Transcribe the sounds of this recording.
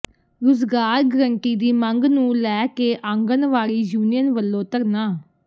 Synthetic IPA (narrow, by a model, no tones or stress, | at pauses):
ɾʊzɡaːɾɡəɾəɳʈiːd̪iːməŋɡnũːlɛːkeːʔãŋɡənʋaːɾiːd͡ʒuːnijənʋəlːõːt̪əɾnaː